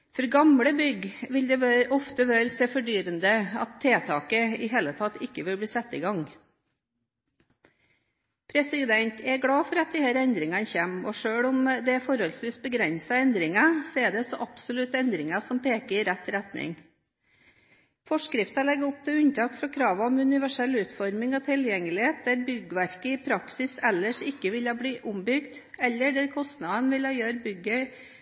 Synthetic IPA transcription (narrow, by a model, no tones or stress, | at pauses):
fɔɾɡɑmɽəbʏɡʋɪld̪ɛʋøʔɔft̪əʋøːɾsɛfɔɖyːɾənd̪əɑt̪ʰːeːt̪ʰɑːkəɪɦeːlət̪ʰɑt̪ːɪkːəʋɪlbɽiːsɛt̪ːḭːɡɑŋ | pʰɾɛsɪd̪ɛnt̪ʰɛɡɽɑːfɔɾɑt̪̚d̪iːhæːɾɛnd̪ɾɪŋɑnçeːmɔʂøːɭʊmd̪ɛfɔɾhɔlsʋiːsbəɡɾɛnsɑɛnd̪ɾɪŋɑsɛd̪ɛsɔʔɑb̥sɔlʉt̪ɛnd̪ɾɪŋɑsɔmpeːkəɾɪɾɛt̪ːɾɛt̪nɪ̰ŋ | fɔʂkɾɪft̪ɑlɛɡːʊp̚t̪ʰɪʉnt̪ʰɑːkfɾɑkʰɾɑːʋɑɔmʉnɪʋæʂɛlːʉːt̪fɔɾmɪŋɔt̪ʰɪljɛŋːəlɪheːt̪̚d̪æɾbʏɡəʋæɾkəɪpʰɾɑksɪsɛlːəʂɪkːəʋɪlɑbliːʔʊmbʏɡt̪ɛlːəɖæɾkʰɔst̪nɑd̪ənʋɪlɑjøːɾbʏɡœʏ